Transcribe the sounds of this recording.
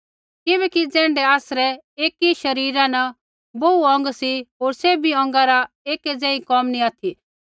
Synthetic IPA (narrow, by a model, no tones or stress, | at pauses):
kɪbɛːkid͡zɛ̃ːɳɖɛaːsɾɛ | eːkiʃɐɾiːɾãnɐ | bouɔ̃ŋɡsiɦoːɾsebʱiɔ̃ŋɡaɾa | eːkɛd͡zɛ̃ːĩkɔmniaːt̪ʰi